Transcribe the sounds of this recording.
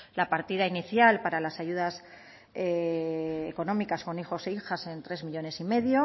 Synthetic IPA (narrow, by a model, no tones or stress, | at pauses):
lapaɾt̪iðainiθjalpaɾalasaʝuð̞as | eː | ko̞nõ̞mikasko̞nixo̞seixase̞nt̪ɾe̞zmiʎo̞ne̞sime̞ðjo̞